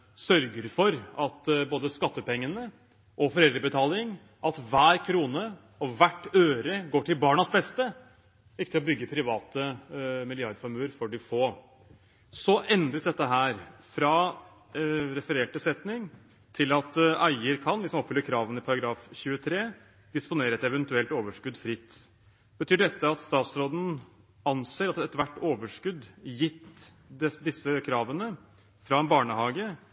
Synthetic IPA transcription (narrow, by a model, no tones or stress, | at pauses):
sœɾɡəɾfɔɾɑt̪boːd̪əskɑt̪ːəpɛŋːənə | ʔɔfɔɾɛld̪ɾəbət̪ʰɑːlɪŋ | ʔɑt̪ʋæːɾkʰɾuːnə | ɔʋæʈːøːɾəɡoːʈʰɪlbɑːɳɑsbɛst̪ə | ɪkːt̪ɪlɔbʏɡːəpʰɾɪʋɑːt̪əmɪlɪɑɾd̪fɔɾmʉːəɾfɔɖɪfoː | sɔʔɛnd̪ɾəsd̪ɛt̪ːəɦæːɾfɾɑ | ɾɛfəɾeːʈəsɛt̪nɪŋ | t̪ʰɪlɑt̪æɪəɾkʰɑnlɪsɔmɔpfʏlːəɾkʰɾɑːʋənəɪpʰɑɾɑɡɾɑːfçʉːət̪ʰɾeː | d̪̥ɪspʊneːɾəɛt̪ɛʋɛnt̪ʉɛlt̪oːʋəʂkʉd̪fɾɪt̪ː | b̥ət̪ʰyːɖɛt̪ːəɑt̪st̪ɑːt̪sɾoːd̪n̩ | ɑnseːɾɑt̪ɛt̪ʋæʈːoːʋəʂkʉd̪jɪt̪ː | ɛd̪ɪsːəkʰɾɑːʋənə | fɾɑɛnbɑːɳəhɑːɡə